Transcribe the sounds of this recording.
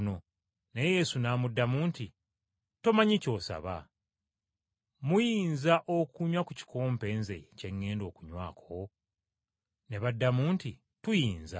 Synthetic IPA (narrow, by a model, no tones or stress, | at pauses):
no̞ | nejeje̞ːsunaːmudːamuːnti | to̞maɲico̞ːsa̰βa̰ | mujiːnzaʔo̞kuɲwakuci̥koːmpe̞ːnzece̞ŋːe̞ːndo̞ːkuɲwaːkʰo | ne̞βadːamuːnti | tujiːnza̰